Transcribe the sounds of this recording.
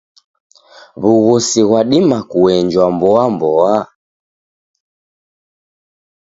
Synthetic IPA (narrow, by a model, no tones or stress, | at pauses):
βuɣɔsiɣwaɗimakuɛɲd͡ʒwambɔambɔa